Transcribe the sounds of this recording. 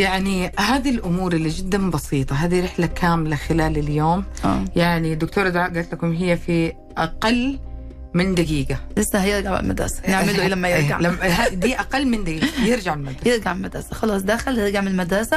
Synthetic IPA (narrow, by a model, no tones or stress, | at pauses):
jaʕnihaːd̪ilʔʊmuːɾˤɪlːid͡ʒɪd̪ːambɑsiːt̪ˤɑɦaːðiɾɪħlakʰaːmlaxɪlaːlɪljoːmʔa̰ːjaʕnid̪ʊkt̪oːɾˤad̪ʕaːʔɡaːlt̪lakʊmɦɪjːafi | ʔaqɑlː | mɪnd̪aɡiːɡalɪsːahajɪɾɡaʕɪ̰lma̰d̪ɾˤɑ̰sḁnɪʕmɪlulamːajɪɾɡa̰ʕlamad̪iːʔaqɑlːmɪnd̪aɡiːɡjɪɾd͡ʒaʕɪlmad̪ɾɑjɪɾɡaʕlmad̪ɾˤɑsḁxɑlɑːsˤd̪aːxɪlɪɡaʕmɪlmad̪ɾˤsa